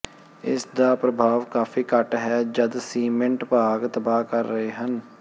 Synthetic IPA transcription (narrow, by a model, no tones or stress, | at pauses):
ɪ̰sd̪aːpɾəbʱaːʋkaːfʰiːkəʈɦɛːd͡ʒəd̪siːmɪ̃ɳʈpaːɡt̪əbaːkəɾːəɦeːɦən